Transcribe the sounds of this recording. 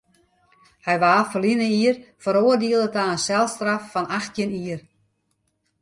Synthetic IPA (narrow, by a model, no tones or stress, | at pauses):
hɛjʋaːfəlinəiərfəɾoərdiəlˠətaənsɛlˠstrafːɔnaxtʰjəniər